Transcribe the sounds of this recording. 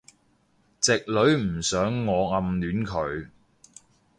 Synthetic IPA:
t͡sɪ˨k̚lɵ˨˧ɥm̩˨˩sœː˨˥ŋːɔː˨˧ŋɐ˧mlyː˨˥nkʰɵ˨˧ɥ

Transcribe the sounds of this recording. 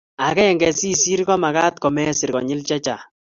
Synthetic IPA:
a˨kɛ˦˨ŋɡɛ˨si˦si˦ɾɡɔ˦ma˨ɣa˦tkɔ˨mɛ˦sɪ˨ɾkɔ˨ɲɪ˦lt͡ʃɛ˦t͡ʃa˨

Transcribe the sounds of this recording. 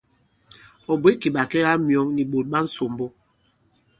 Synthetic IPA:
ɔ˨bwe˦ki˨ɓa˨kɛ˦ɣa˦mjɔ˨˦ŋni˨ɓo˨t̚ɓa˦n̩˦so˨mbo˦

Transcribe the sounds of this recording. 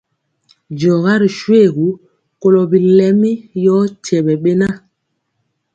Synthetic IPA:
d͡ʒɔ˨ɣa˦ɾi˨ʃwe˦˨ɣu˨˦ | ko˨lɔ˨bi˨lɛ˦mi˦jɔ˦tɛ˨ɓɛ˨ɓe˦na˦

